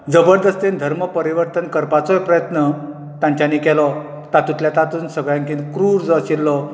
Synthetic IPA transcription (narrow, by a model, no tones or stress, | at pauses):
d͡zəbəɾd̪əst̪end̪ʱəɾməpəɾiʋəɾt̪ənkəɾpat͡sɔjpɾəjət̪nə | t̪ãɲt͡ɕanikɛlɔ | t̪at̪ut̪ljat̪at̪uːnsəɡɭjãŋkinkɾuːɾd͡zəɕilːɔ